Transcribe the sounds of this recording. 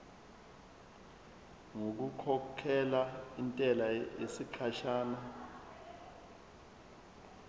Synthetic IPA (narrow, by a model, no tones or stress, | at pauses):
ŋok̬ukʰɔkʰɛlaintʼɛlajesikʰaʃaːna